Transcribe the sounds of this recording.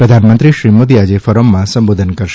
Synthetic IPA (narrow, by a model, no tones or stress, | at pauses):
pɾəd̪ʱanmənt̪ɾiʃɾimod̪iad͡ʒefəɾəmːãsəmbod̪ʱənkəɾʃ